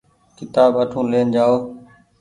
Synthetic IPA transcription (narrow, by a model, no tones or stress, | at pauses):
kɪt̪aːbəʈʰũːleːnd͡ʒaːoː